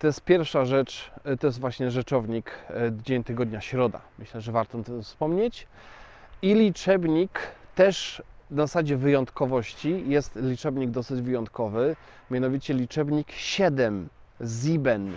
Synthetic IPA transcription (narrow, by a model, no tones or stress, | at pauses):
t̪ɔjɛst̪̚pʲjɛɾfʂaʐɛt͡ʂt̪ɔjɛst̪vwaɕɲɛʐɛt͡ʂɔvɲikd̪d͡ʑeɲt̪ɘɡɔd̪ɲaɕɾɔd̪a̰mɘɕlɛʐɛvaɾt̪ɔnt̪ɛfspɔmɲet͡ɕ | ilʲit͡ʂɛbɲikt̪ɛʂnazasad͡ʑɛvɘjɔnt̪kɔvɔɕt͡ɕijɛst̪lʲit͡ʂɛbɲiɡ̚d̪ɔsɘd͡ʑvɘjɔnt̪kɔvɘ | mʲanɔvʲit͡ɕɛlʲit͡ʂɛbɲikɕɛd̪ɛm | zibɛn